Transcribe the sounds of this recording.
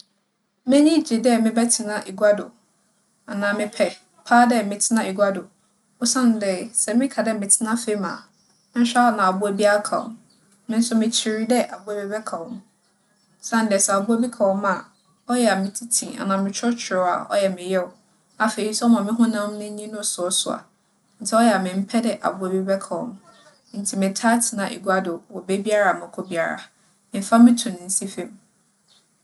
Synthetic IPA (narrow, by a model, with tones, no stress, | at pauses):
mɛ̃˦ɲĩ˦d͡ʑi˨dɛ˦mɪ̃˦bɛ˦tʰɪ˨nã˦ʔe˨ɡa˦dʊ̰˨ | a˨nãː˨mɪ̃˨pʰɛ˨ | pʰaː˦dɛ˦˨mɪ̃˨tʰɪ˦nã˦˨e˨ɡʷa˦dʊ˨ | o˦sã˦n˨dɛ˨sɛ˨mɪ̃˦kʰa˨dɛ˦mɪ̃˨tʰɪ˦nã˦fe˦mã̰˨˦ | sa˦a˨nã˨a˨bʊ˦æ˨bi˦a˦kʰa̰˨wɔ̰˨ | mɪ̃˦n̩˦sʊ˦mɪ̃˨t͡ɕʰɪ˨ɾi˦dɛ˦ʔa˨bʊ˦æ˦bɛ˦bɛ˦kʰa˨wɔ̃˦m | sã˦n˨dɛ˨sɛ˨a˨bʊ˦æ˦bi˦kʰa˨wɔ̃˦mã˨ | ɔ˦jɛ˨a˨mɪ̃˨tʰi˦tʰĩ˨a̰˨nã˨mɪ̃˨t͡ɕʰɔ˦t͡ɕʰɪ˨ɾɔ˨˦a̰˨ɔ̰˦jɛ˨mɪ̃˨jɛ˦ʊ˨ | a˨fe˨i˦sɛ˦ɔ˦mã˨mɪ̃˦ɦʊ̃˦nã˦m˦nʊ̃˦ɲĩ˦nʊ̃˦˨sʊ˨˦sʊ˨a̰˨ | n̩˨tʰɛ˦ɔ˦jɛ˨a˨mɪ̃˨m̩˦pʰɛ˦dɛ˨ʔa̰˨bʊ˦e˨be˦bɛ˦kʰa˨wɔ̰̃˦m˦ | n̩˨˦tʰi˨mɪ̃˨tʰa˦tʰɪ˨nã˨ʔḛ˨ɡu˦a˦dʊ˨wɔ˨be˦bi˦a˦ɾa˨mã˨kʰɔ˦bi˦a˨ɾa̰˨ | mɪ̃˨˦fa˦mɪ̃˦tʰũ˨nɪ̃˨n̩˦si˦fẽ˦m